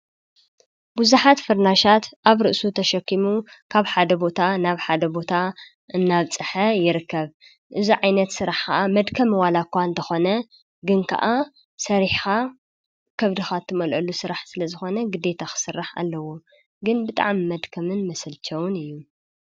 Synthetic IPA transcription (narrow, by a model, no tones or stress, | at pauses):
buzuħat̪fɨɾnaʃat̪ʔaβɾɨʔsut̪ʰɐʃɐkːimukʰaβħad̪ɐbo̞t̪ʰanaβħad̪ɐbo̞t̪ʰa | ʔɨnːaβt͡sʼɨħɐjɪɾɨkːɐβ | ʔɨzuʕajnɐt̪sɨɾaħkɐ̰ʔamɐd̪kʰɐmwalakʷːaɨnt̪ʰɐxo̞nɐ | ɡɨnkʰɐ̰ʔa | sɐɾiħxa | kʰɐβd̪ɨxat̪ʰɨmɐlʔɐlusɨɾaħsɨlɐzɨxo̞nɐɡɨd̪e̞t̪ʰaxɨ̥sɨrːaħa̰lːɐwo | ɡɨnbɨt̪ʼa̰ʕmimɐd̪kʰɐmɨnmɐsɐlt͡ʃʰɐwʊnɨjːu